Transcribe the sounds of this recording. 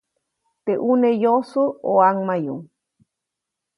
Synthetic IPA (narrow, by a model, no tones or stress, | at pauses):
t̪eʔunejosuoaŋmajṵŋ